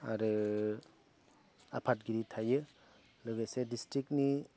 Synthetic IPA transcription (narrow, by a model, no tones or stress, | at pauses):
aɾɯ | apʰat̚ɡiɾitʰajɯ | lɯɡajsedistɾik̚ni